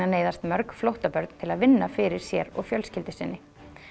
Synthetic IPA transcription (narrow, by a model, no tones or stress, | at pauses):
aneːjðast̪mœɾkflowht̪apœɾt̪n̥t̪ʰɪlaðvɪnːafɪɾɪɾ̥sjɛɾɔ̰ɣfjœlscɪlt̪ɪsɪnːɪ